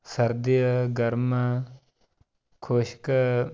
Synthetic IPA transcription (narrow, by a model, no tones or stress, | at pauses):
sɐɾd̪ijɐɡɐɾmɐ | kʰoːʃkɐ